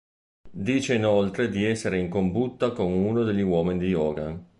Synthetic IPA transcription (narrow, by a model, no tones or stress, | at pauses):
d̪iːt͡ʃeinolt̪ɾed̪iɛsːeɾeiŋkombut̪ːakoŋunod̪eʎːiwɔːminid̪iɔːɡa̰n